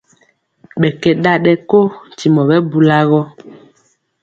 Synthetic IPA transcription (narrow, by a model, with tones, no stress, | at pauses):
ɓɛ˨kɛ˨ɗa˦ɗɛ˦ko˦n̩˨ti˨mɔ˨ɓɛ˦bu˨la˦ɣɔ˦